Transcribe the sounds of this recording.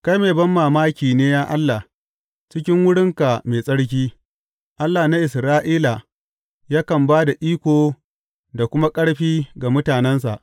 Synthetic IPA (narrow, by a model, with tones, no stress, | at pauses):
ka˦jmeː˨bɐ˦mːaː˨maː˦kʲiː˨neː˦jaː˦ʔa˦lːa˨ | t͡ʃɪ˦kʲɪ˦ŋwʊ˦ɽɪ˦ŋka˨meː˨sʼɐ˦ɽk̬ʲiː˦ | ʔa˦lːa˨na˦ʔɪ˨sɾaː˦ʔiː˦la˨ | ja˦kɐ˨mbaː˦da˨ʔiː˦kʷoː˨ | da˨kʷʊ˦ma˦kʼɐ˦ɽɸiː˦ɡa˨mʊ˦taː˨nɛ˦ns̬a̰˨ʔ